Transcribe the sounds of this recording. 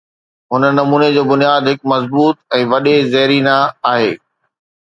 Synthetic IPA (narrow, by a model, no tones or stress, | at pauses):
ɦʊnəːɐmuːned͡ʑoːbʊnijaːd̪ɦɪkmɐzbuːt̪ɛ̃ːʋɐɗezɐɦɾinaaːɦḛː